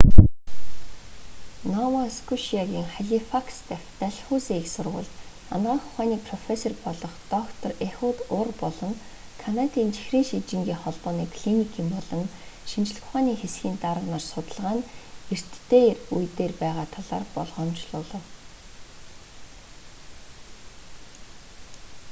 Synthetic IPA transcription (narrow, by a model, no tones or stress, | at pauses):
nɔwaskʰuʃiaɣʲiːŋχaɮʲifakst̪æxt̪æɮχuːseːiksʊrʁʊ̰̆ɮt̪ | a̰nɢaːχʊ̥χaːniːk̚pʰrɔfesɔrpɔɮɞ̆χt̪ɔkt̪ʰɔrexʊt̪ʊrpɔɮɞ̆ŋ | kʰanat̪iːnt͡ɕi̥xriːŋʃit͡ɕɪ̆ŋɡʲiːŋχɔɮpɔːniːkʰɮinikʰiːmpɔɮɞ̆nʃint͡ɕɪ̆ɮ̆xʊ̥χaːniːŋxesɡʲiːnt̪aɾə̆wnaːrsʊt̪ə̆ɮʁaːner̥t̪ːeːrujt̪eːrpæːʁaːt̪ʰaɮa̰ːrpɔɮʁɔːmt͡ɕɮʊːɮə̆w